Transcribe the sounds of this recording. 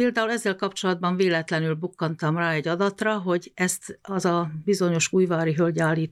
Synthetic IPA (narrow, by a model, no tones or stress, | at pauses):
peːld̪aːulɛzːɛlkɒpt͡ʃo̞lɒd̪̚bɒɱveːlɛt̪lɛnylbukːɒnt̪ɒmraːɛɟːɒd̪ɒt̪rɒɦo̞ɟɛst̪ɒzɒbizo̞ɲo̞ʃuːjvaːɾiɦølɟaːlːiːt̪